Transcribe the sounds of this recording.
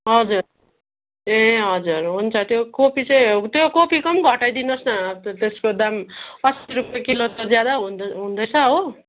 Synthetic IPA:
ɦʌd͡zur | eɦʌd͡zurɦunt͡sʰʌt̪jokopit͡sʌj̃t̪jokopikʌmɡʱʌʈajd̪inʌsnʌt̪eskod̪amʌsɾupekilot̪ʌd͡zjad̪aɦuɦũnd̪ʌt͡sʰʌɦo

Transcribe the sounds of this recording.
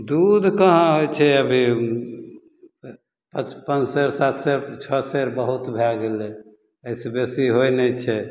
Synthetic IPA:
d̪ud̪ʱkəɦãɦot͡ʃʰɛəbʱi | pət͡ʃpənt͡ʃsəɾsat̪ʰsəɾt͡ʃʰəsəɾbəɦut̪bʱaɡelɛ | əisebesiɦojnɛt͡ʃʰɛ

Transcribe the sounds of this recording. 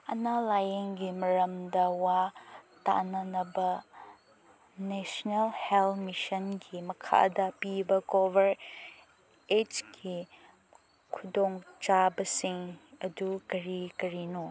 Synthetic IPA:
ɐ̰nalajeŋɡimɐɾɐmdɐwata̰nɐnɐbɐ | nesnelhelmisɐnɡimɐkʰa̰dɐpibɐkobɐɾ | et͡ʃɡi | kʰudoŋt͡ʃabɐsiŋɐdukɐɾikɐɾino

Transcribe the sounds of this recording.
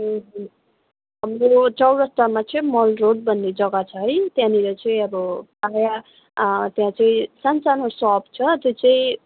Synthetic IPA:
ɦ | ɦʌmrot͡sʌwɾʌst̪amat͡sʌĩmʌlroɖ̚bʱʌnːed͡zʌɡat͡sʰʌɦʌjt̪jãniɾʌt͡sʌĩʌbʌpaja | t̪jãt͡sʌĩsansanosʌb̚t͡sʰʌt̪jot͡sʌĩ

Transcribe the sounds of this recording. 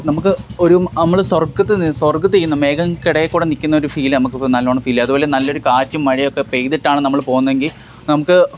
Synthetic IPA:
nɐmukːɨo̞ɾunɐmːɐɭswɐrɡɐt̪ːɨswɐrɡɐt̪ːijːunːɐme̞ːɡɐmkiɽɐjɐkːuːɽenikʲːunːɐoɾufiːlɨnɐmukːɨnɐlːoːɳɐfiːlːɐðubo̞ːle̞nɐlːo̞ɾukaːtːumːɐɻiokːe̞pejðiʈːaːɳɨnɐmːɐɭpo̞ːɣunːɐʋe̞ŋɡil | nɐmukːɨ

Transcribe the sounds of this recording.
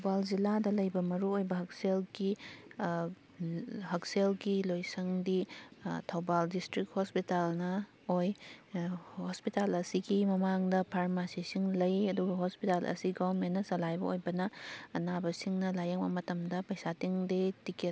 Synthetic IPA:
wbald͡ʒiladɐlɐjbɐmɐɾuojbɐhɐk̚selɡi | hɐkselɡilojsɐŋditʰɐwbaldistɾik̚hospitalnɐ | oj | hospitalɐsiɡimɐmaŋdɐpʰaɾmasisiŋlɐjɐduɡɐɦospitalʔɐ̰siɡobɐɾmenːɐsɐlajbɐ̰ojbɐnɐːnabɐsiŋnɐlajɐŋbɐ̰mɐtɐmdɐpɐjsatiŋdetike

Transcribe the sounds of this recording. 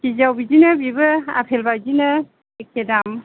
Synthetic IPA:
kizawbizinɯbibɯa̰pʰelbajzinɯ | ek̚ːedam

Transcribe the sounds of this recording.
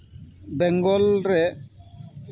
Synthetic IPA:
bɛŋɡɔlɾɛ

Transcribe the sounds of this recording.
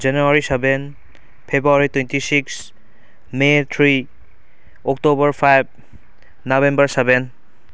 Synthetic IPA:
zanuaɹisɛben | pʰebɾuaɹitwentisiks | met̪ʰɹi | ɔktobɔɹpʰajb̚ | nabembəɹsɛbɛn

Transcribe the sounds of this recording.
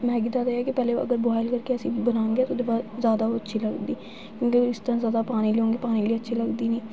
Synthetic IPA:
mɛ̃ːɡid̪aːd̪ajaːkɪpɛːleə̰ɡəɾboɦaːɪlkəɾkeəsĩːbənaːŋɡeɛːt̪oːd̪ɪfazjaːd̪aːoətːʃʰiːləɡd̪iː | kjõːkeɪst̪əɾãːzjaːd̪aːpaːniːleõːŋɡeːpaːniːliːətːʃʰiːləɡd̪iːniː

